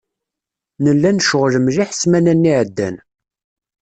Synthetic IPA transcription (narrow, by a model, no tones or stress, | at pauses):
nəlːænʃəʁləmʒiħəsmænænːiʕəd̪ːæ̰n